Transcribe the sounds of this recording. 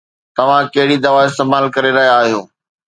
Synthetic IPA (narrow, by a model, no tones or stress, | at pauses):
t̪ɐʋ̤ãkɐɦɪɽid̪ɐʋaɪst̪eːmaːlkɐɾeɾɐɦijaːɦijõː